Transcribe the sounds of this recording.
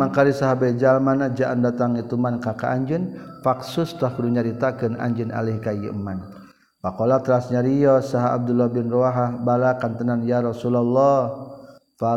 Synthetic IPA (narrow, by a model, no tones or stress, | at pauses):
akaɾisaɦabad͡ʒalmanad͡ʒaʔandat̪aŋit̪umankakaʔaɲd͡ʒənfaksust̪ahkuduɲaɾit̪akɨna̰ɲd͡ʒəna̰lihkajḭʔəman | pakɔlat̪ɾasɲaɾijɔsaɦaa̰b̚d̪ulɔhbɪnrɔaɦahbalakant̪ənanjaɾɔsulalːɔh | fa